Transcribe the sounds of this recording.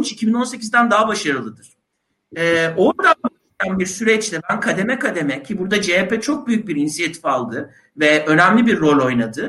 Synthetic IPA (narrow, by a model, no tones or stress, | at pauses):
t͡ʃicʰibino̞nse̞cʰizd̪ænd̪aɦabaʃaɾɯlˠɯd̪ɯɾ̥ | ɛːo̞ɾd̪anb̪ | anbiɾsyɾɛt͡ʃlɛbænkʰad̪e̞mɛkʰad̪e̞mɛcʰibuɾd̪ad͡ʒeːpɛt͡ʃʰo̞k̚byjyc̚biɾinsijat̪ʰi̥falˠd̪ɯ | vɛʔø̞næmlʲibiɾːo̞lʲo̞jnad̪ɯ